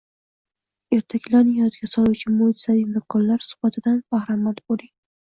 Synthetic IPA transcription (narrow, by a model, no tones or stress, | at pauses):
e̞ɾt̪ʰakʲʰlaɾnɪjt̪ɡʲasɒlˠut͡ʃʰamoɪt̪savimakʰɒnlaɾsʊ̥bat̪ʰɪd̪anbahɾamat̪boɾɪ